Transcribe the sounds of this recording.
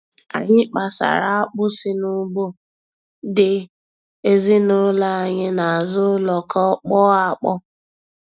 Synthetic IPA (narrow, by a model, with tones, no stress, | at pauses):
a̰˨ɲɪ˦k͡pa˨sa̰˨ɾa˦a˦k͡pʊ˦sɪ˦nʊ˦ɡ͡bo˦ | dɪ˨ | e˦zi˦nʊ˦la˦a˨ɲɪ˦na˨a˨zʊ˦lɔ˨kɔ˦k͡pɔ˦a˦˨k͡pɔ˦